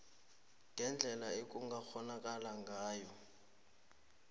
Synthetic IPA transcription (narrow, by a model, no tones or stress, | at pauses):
ɡʱɛnd͡ɮʱɛlaekʼuŋɡaxɔnakʼalaŋɡʱaːjɔ